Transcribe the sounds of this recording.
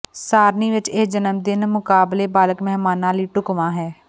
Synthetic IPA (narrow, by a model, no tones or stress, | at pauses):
saːɾniːʋɪt͡ʃeːd͡ʒənəmd̪ɪnmʊkaːbleːbaːləkmɛɦmaːnãːliːʈʊkʋãːɦɛː